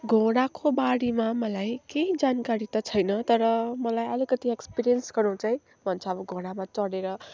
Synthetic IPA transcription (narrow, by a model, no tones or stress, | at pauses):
ɡʱoɽ̃akobaɽimamʌlajkeĩd͡zankaɾit̪ʌt͡sʰʌjnʌt̪ʌɾʌmʌlajʌlikʌt̪iekspiɾijʌnsɡʌɾũt͡saj̃ | bʱʌnt͡sʰʌːbʌɡʱoɽ̃amat͡sʌɽeɾʌ